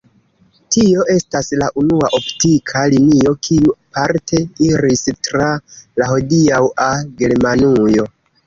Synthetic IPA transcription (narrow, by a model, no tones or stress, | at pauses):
tio̞ʔe̞staslaʔunuaʔoptikʰalinio̞kʰiuapaɾtʰe̞iɾistɾalaho̞diawaɡe̞ɾmanujo̞